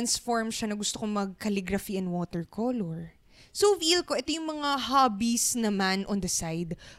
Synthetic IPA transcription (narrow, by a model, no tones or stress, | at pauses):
ansfoɹmʃanɐɡʊst̪okoŋmɐɡ̚kɐliɡɾɐfiɐnwoːt̪ɛɹkʰoːloɹ | sowvilko̞ʔɛt̪ojʊŋmɐŋaɦaːbisnɐmanʔond̪ɐsajd̪